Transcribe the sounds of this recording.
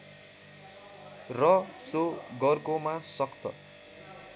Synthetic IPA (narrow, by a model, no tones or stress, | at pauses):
rʌsoɡʌrkomasʌkd̪ʌ̰